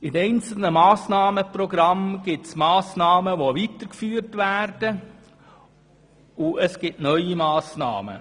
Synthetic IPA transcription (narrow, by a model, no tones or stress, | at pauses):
ɪnɛɪnt͡sl̩nəmɑːsnɑːməproɡɾɑmɡ̥ɪtsmɑːsnɑːməʋoʋit̪əɾkfyːrtʋæːrd̥ə | ʊəsɡ̥ɪtnœʏimɑːsnɑ̰ːmə̰